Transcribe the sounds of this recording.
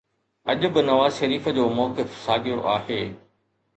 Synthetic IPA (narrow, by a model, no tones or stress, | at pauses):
ɐʄʊ̆bɪnɐʋaːzʃɐɾiːfə̆d͡ʑoːmɔːkɪfsaːɡʱijoʔaːɦeː